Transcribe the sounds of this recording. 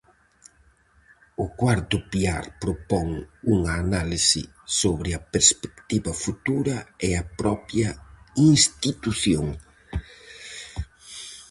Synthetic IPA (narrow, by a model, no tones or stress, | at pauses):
ʊkwaɾt̪ʊpiaɾpɾopɔŋuŋaːnalisɪ | soβɾɪɐpeɾspe̥kt̪iβɐfut̪uɾɐeɐpɾɔpjɐiŋst̪it̪uθjoŋ